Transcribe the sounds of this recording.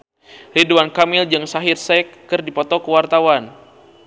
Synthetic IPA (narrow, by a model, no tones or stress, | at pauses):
riduankamɪld͡ʒɨŋsaɦirsɛkːɨrdipɔt̪ɔkəwart̪awan